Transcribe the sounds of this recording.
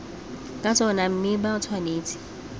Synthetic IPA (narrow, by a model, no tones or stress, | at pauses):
kʼat͡sʰʼɔnam̩mɪbaʊt͡sʰwaneːt͡sʰʼɪ̥